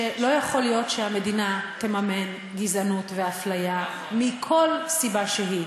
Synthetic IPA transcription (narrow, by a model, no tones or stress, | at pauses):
elo̞jaχo̞ljo̞tʃeame̞dinate̞mame̞n | ɡizanutveaflaja | mikʰo̞lsibaʃeɦi